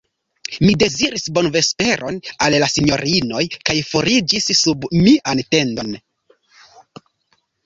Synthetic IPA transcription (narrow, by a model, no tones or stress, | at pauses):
mide̞ziɾisbo̞nve̞spe̞ɾʔo̞nallasiɲo̞ɾino̞jkajfo̞ɾid͡ʒisːubmiʔante̞ndo̞n